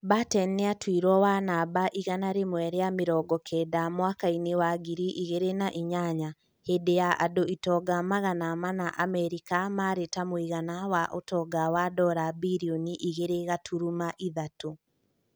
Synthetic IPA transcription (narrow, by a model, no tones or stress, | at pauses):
batɛnːeatwiɾwɔwanabaʔiɣanaɾemwɛɾejameɾɔɡɔkʰɛdamwakainewaɡiɾiʔiɣeɾenaʔiɲaɲa | heːdejaʔadoʔitɔɡamaɣanamanaʔamɛɾikamaɾetamoiɣanawaʔotɔɡawadɔɾabiɾiɔniʔiɣeɾeɣatʰuɾumaʔiðato